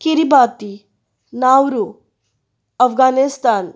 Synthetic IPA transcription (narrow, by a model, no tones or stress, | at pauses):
kiɾibaːt̪i | naːwɾu | ɐfɡaːnist̪aːn